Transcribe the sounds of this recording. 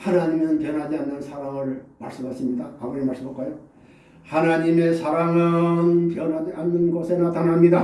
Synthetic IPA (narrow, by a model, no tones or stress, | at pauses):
hanaɲimjʌnɯnpjʌnɦad͡ʑianːɯnsʰaɾaŋɯɾma̰ɭs͈ɯbʌs͈ɯmɲidaamʌɾimaɭs͈ɯmʌp̚k͈ajo | hanaɲimesʰaɾaŋanpjʌnaanːɯnɡʌsʰenat̪ʰanɦamɲida